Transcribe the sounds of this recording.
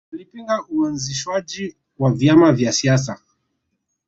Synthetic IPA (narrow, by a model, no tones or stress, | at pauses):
alipiŋɡaʔuanziʃwad͡ʒi | wavjamavjasias̬a